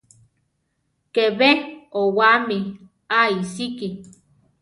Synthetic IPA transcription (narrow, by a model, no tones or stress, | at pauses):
keβeowami | aisiki